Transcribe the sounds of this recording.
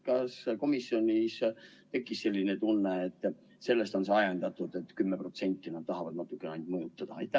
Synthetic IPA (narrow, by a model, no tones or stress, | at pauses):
kɑsko̞misːio̞nʲis | t̪e̞kːˑisse̞lʲːine̞t̪unːeːt̪ːˑ | se̞lːe̞st̪o̞nseɑjend̪̥ɑt̪ːˑud̪e̞t̪ːˑkymːepro̞t̪se̞nʲt̪ːˑinɑd̪̚t̪ɑɦɑvɑd̪nɑt̪ːˑukːeneɑnd̪mɤjut̪ˑːɑd̪̥ɑɑ̰jt̪ːˑæh